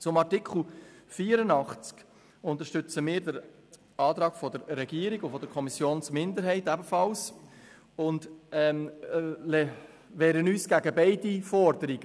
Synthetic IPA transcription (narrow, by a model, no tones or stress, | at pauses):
t͡sʊmɑɾtɪkχl̩fiːəɾənɑχt͡sk | ʊntəɾʃtʏt͡səmɪːɾdəɾ | ɑːt̪ɾɑːɡ̥fɔdəɾːɛɡiːəɾiɡʊfɔd̥əɾkʰɔmisjoːnsmɪndəɾɦɛɪtæbəfɑls | ʊndɛmlɛ | ʋɛːɾənyːsɡ̥æɡəbɛɪdifɔɾdəɾiɡ̥ə